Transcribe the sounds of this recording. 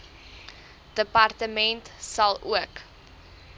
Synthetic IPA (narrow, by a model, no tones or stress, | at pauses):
d̥əpɐrtəmɛntsɐlˠuək